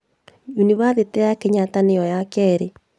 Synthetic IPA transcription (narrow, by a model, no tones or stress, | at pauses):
uniβaðeteakeɲatanejɔjakɛɾe